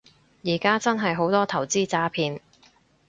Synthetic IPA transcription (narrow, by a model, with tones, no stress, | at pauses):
jiː˨˩kaː˥t͡sɐ˥nɦɐ˨jɦo˨˥wt̪ɔː˥t̪ʰɐ˨˩wt͡siː˥t͡saː˨˥pʰiː˧n